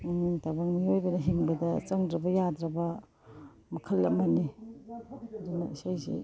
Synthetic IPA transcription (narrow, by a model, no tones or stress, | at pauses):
uŋintabaŋmiojbɐnɐɦiŋbɐdɐt͡ʃɐŋdɾɐbɐjadɾɐbɐ | mɐkʰɐlːɐmɐni | ɐdunɐisajzḭ